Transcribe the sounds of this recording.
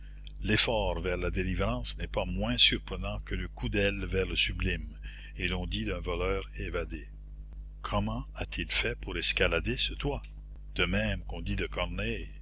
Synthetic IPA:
lefɔːʁvɛʁlad̪elivʁɑ̃ːsnɛpamwɛ̃syʁpɾənɑ̃kələkud̪ɛlvɛʁləsyblim | elɔ̃d̪id̪ɛ̃vɔlœːʁevad̪e | kʰɔmɑ̃at̪ʰilfɛpuʁɛskalad̪esət̪wa | d̪̥əmɛ̃mkɔ̃d̪id̪əkɔʁnɛ

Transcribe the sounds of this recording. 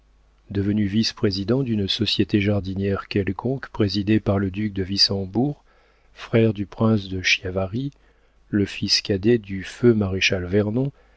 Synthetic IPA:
d̪əvənyvispχezid̪ɑ̃d̪ynsɔsjet̪eʒaʁd̪injɛʁkʲɛlkʰɔ̃kpχezid̪epaʁləd̪yk̚d̪əvisɑ̃buʁ | fχɛʁd̪ypχɛ̃sd̪əʃjavaʁi | ləfiskʲad̪ed̪yfømaʁeʃalvɛʁnɔ̃

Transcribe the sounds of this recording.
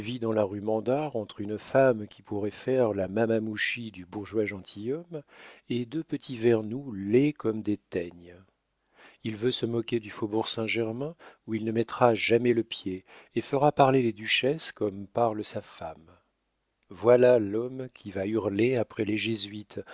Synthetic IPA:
vid̪ɑ̃laʁymɑ̃d̪aʁɑ̃t̪χynfamkʲʰipuʁɛfɛʁlamamamuʃid̪ybuʁʒwaʒɑ̃t̪ʰijɔmed̪øpət̪ʰivɛʁnulɛkɔmd̪et̪ɛɲ | ilvøsəmɔkʲed̪yfobuʁsɛ̃ʒɛʁmɛ̃uilnəmɛt̪χaʒamɛləpjeːfəʁapaʁleled̪yʃɛskɔmpaʁləsafa̰m | vwalalɔmkʲʰivayʁleapχɛleʒezɥit̪

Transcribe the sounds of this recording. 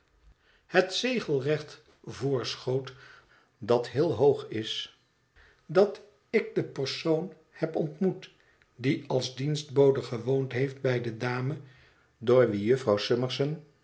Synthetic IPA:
hətsejχəlˠrɛχt | vʊːɹsχowt | dɑtɦɪːlˠɦowχɪs | dɑt | ɪɡ̚dəpəɹsown | hɛpɔntmut | diʔɑlˠzdinzd̚bowdəχəʋowntɦejft̚bɛjdədaːmə | doːɹʋijɵfrɑwsɪməɹsən

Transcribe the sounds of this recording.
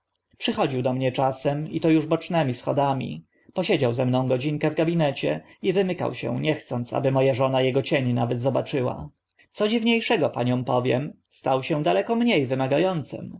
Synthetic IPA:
pʂɘxɔd͡ʑiwd̪ɔmɲɛt͡ʂasɛmit̪ɔjuʐbɔt͡ʂnɛmʲisxɔ̰d̪amʲḭ | pɔɕed͡ʑawzɛmnɔ̃w̃ɡɔd͡ʑiŋkɛvɡabʲinɛt͡ɕɛivɘmɘka̰wɕɛ̰ɲɛxt̪sɔnt̪sa̰bɘmɔjaʐɔnajɛɡɔt͡ɕeɲnavɛd̪zɔbat͡ʂɘwa̰ | t̪sɔd͡ʑivɲejʂɛɡɔpaɲɔ̃w̃pɔvʲjɛ̰m | st̪awɕɛ̃d̪alɛkɔmɲejvɘmaɡajɔnt̪sɘ̰m

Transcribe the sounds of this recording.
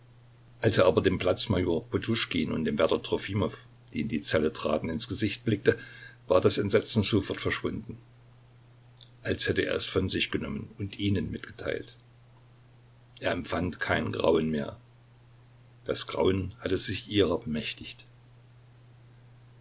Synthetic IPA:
ʔalseːʔaːbɐdeːmpl̥at͡smajoːɐpʰotʰuʃkiːnʊ̰ntd̥eːmvɛɐtɐtʁ̥ofiːmɔf | d̥iːɪndiːt͡sɛlətʁ̥a̰ːtn̩ɪnsɡ̥əzɪçt̚b̥lɪk̚təvaːɐdasɛntz̥ɛt͡sn̩zofɔɐtfɛɐʃv̥ʊndn̩ | ʔalshɛtəḛːɐɛsfɔnzɪçɡ̥ənɔ̰mənʊntʔiːnənmɪtɡ̥ə̥tʰa̰ɪlt | ʔeːɐɛmfantkʰaɪnɡ̥ʁa̰ʊənmeːɐ | d̥asɡ̥ʁa̰ʊənhatəzɪçʔiːʁɐbəmɛçtɪçt

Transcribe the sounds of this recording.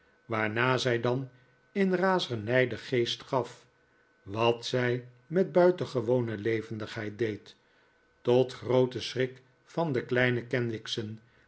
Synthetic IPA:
ʋaːɹnaːzɛjdɑn | ənraːzənɛjdəχejstχɑf | ʋɑtsɛj | mɛd̚bœɥtəχəʋownəlejvəndəχɦɛjt̚dejtː | ɔtχrowtəsrɪk | fɑndəklɛjnəkɛnʋɪksən

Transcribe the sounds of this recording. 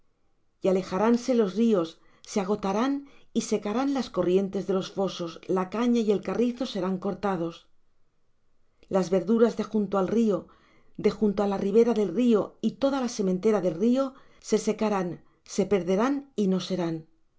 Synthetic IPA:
jale̞xaɾanse̞lo̞zrio̞sː | eaɣ̞o̞t̪aɾanise̞kaɾanlasko̞rje̞nt̪e̞zðe̞lo̞sfo̞so̞slakaɲaie̞lkariθo̞se̞ɾaŋko̞ɾt̪að̞o̞s | lazβe̞ɾðuɾazðe̞xunt̪oalrio̞ | d̪e̞xunt̪oalariβ̞e̞ɾaðe̞lrio̞it̪o̞ðalase̞mẽnt̪e̞ɾaðe̞lrio̞ | se̞se̞kaɾan | se̞pe̞ɾðe̞ɾanino̞se̞ɾan

